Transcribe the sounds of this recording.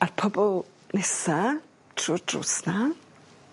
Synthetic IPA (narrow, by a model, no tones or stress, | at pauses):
arpʰɔbɔlˠ | nɛsa | tʰruːrd̥rʊ̰ːsna